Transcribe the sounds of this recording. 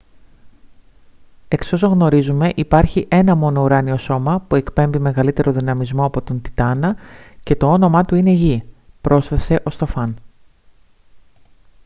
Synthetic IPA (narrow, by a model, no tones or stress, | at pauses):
e̞ksi̥o̞soɣno̞ɾizume̞ʔipɐɾçiʔe̞nɐmo̞no̞uɾɐnio̞so̞mɐpue̞kpe̞mbime̞ɣɐlit̪e̞ɾo̞ðinɐmizmo̞ɐpo̞t̪o̞nt̪i̥t̪ɐnɐce̞t̪o̞o̞no̞mɐt̪uine̞ʝipɾo̞sθese̞ʔo̞st̪o̞fɐn